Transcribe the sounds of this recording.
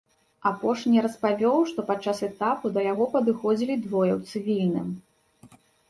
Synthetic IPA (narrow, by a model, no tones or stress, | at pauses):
apɔʂnʲiɾɐspavʲɔwʂt̪ɔpat͡ʂːasɛt̪apud̪ɐjaɣɔpɐd̪ɨxɔd͡zʲilʲid̪vɔjɛwt̪sɨvʲilʲnɨ̰m